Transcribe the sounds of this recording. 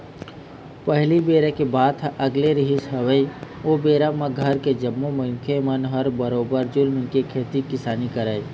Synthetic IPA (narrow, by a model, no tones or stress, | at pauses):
pəɦlibeːɾekebaːd̪ʰʔɐɡleɾɪɦɪsɦəʋəioːbeːɾamãɡʱəɾked͡ʒəmːomə̃j̃kʰemənɦəɾbəɾoːbəɾd͡ʒʊlmɪ̃kekʰeːt̪ikɪsaːnikəɾəːi